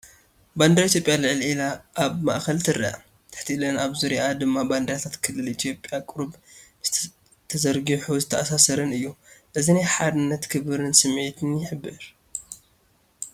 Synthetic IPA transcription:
band̪ɾit̪ʰjo̞pʼjalɨʕlʔilaʔːβma̰ʔxɐlt̪ʰɨɾia̰ | t̪ʰɨ̥ħt̪ʰiʔlɐnaβzuɾad̪ɨmːaband̪ɐɾat̪ʰat̪kʰɨlːɨlit̪ʰjo̞pʼjakʼɨɾb | z̥ | t̪ʰːɐzɐɾɡɨħuzɨt̪ʰːɐʔasasɐɾɨnɨjːuʔɨzinajħad̪ɨnːɐt̪kʰɨβɨɾɨnsɨmʕet̪ʰɨnjɪħɨbːɨɾ

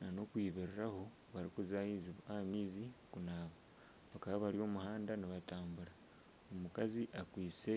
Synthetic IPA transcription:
nano̞kwiːβeɾiɾaho | βaɾikuzaizamiːzikunaːβa | βakaβaβaɾio̞ːmuhaːndaniβataːmbuɾa | omukaziʔakwiːt͡se̞

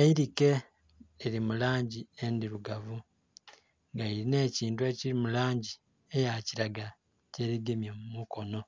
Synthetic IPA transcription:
eiɾike̞ː | ɾimulaːɲɟiendiɾuɡavu | ŋɡaiɾine̞ːciːntue̞ːciɾimulaːɲɟi | ejaciɾaɡa | ce̞ɾiɡemjomumuko̞no̞

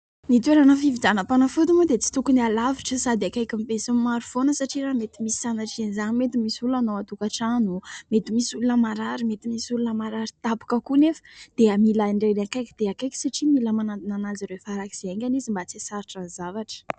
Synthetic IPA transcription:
nit̪eɾanafivid͡zanapanəfut̪umud̪et͡si̥t̪ukunialaviʈ͡ʂəsad̪eakajkimpesummaɾufonəsaʈ͡ʂiɾamet̪imisi̥sanaʈ͡ʂizenizanmet̪imisulanowat̪ukaʈ͡ʂanumet̪imisulunəmaɾaɾimet̪imisulunəmaɾaɾit̪api̥kəkunefə̥d̪̥eamilaiɳɖ͡ʐeɾeakajkid̪̥eakajkʲi̥saʈ͡ʂimiləmanand̪inanaziɾefaɾaki̥z̥eeŋkʲanizimbat͡sisaɾiʈ͡ʂanzavaʈ͡ʂə̥

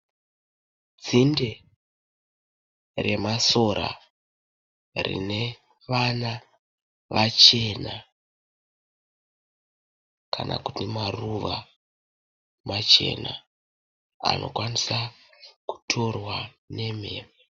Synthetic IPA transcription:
d͡zinde | re̞maso̞ɾʔa̰ | rḭne̞ | ʋana | ʋat͡ʃe̞na | kʰanʔa̰ku̥timaruʋa | mat͡ʃe̞̰na | a̰nʔo̞̰kwanisaku̥tʰo̞rwa | ne̞me̞ːme

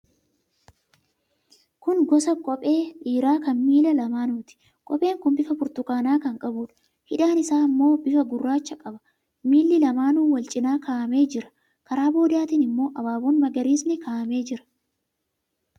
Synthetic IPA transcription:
kʊŋɡɔsɐkʼɔpʼe̞ːʔiːɾaːkɐnmiːlɐlɐmaːnuːt̪ɪ̥ | kʼɔpʼe̞ːŋkʊmbɪfɐfʊɾt̪ʊkaːnaːkɐŋkʼɐbʊᶑʊ̥ | hɪᶑaːnɪsaːmːo̞ːbɪfɐɡʊrːaːt͡ʃːɐkʼɐbɐ̥ | miːlːɪlɐmaːnuːwɐlt͡ʃʼɪnaːkaːʔɐme̞ːd͡ʒɪɾɐ̥ | kɐɾaːbo̞ːd̪aːt̪iːnɪmːo̞ːʔɐbaːboːnmɐɡɐɾiːsnɪkaːʔɐme̞ːd͡ʒɪɾɐ̥

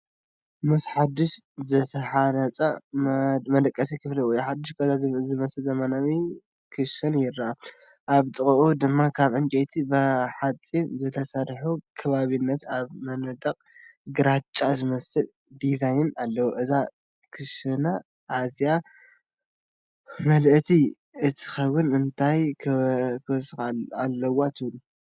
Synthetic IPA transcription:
mɨsħad̪ɨʃzɐt̪ʰɐħanɐt͡sʼɐ | mɐd̪ɐkʼːɐsikʰɨfliwɔjuħad̪ːɨʃkʰɐzazɨmɐsɨlzɐmanawi | kʰɨʃɐnjɪɾːaa | ʔaβt̪ʼɨχʼʔud̪ɨmːakʰaβʔɨnt͡ʃʼet̪ʰibɐħat͡sʼinzɨt̪ʰɐsɐɾħukʰɐβaβinːɐt̪aβmɐnɐd̪ɐqʼɡɨɾat͡ʃʼːazɨmɐsɨl | d̪izajnalːɐwoʔɨza | kʰɨʃɐna | ʔazija | mɐlʔt̪ʰi | ɨt̪ʰi̥kɐwʊnɨnt̪ʰajʰ | kʰɨwsxalːɐwat̪ʰɨβlu

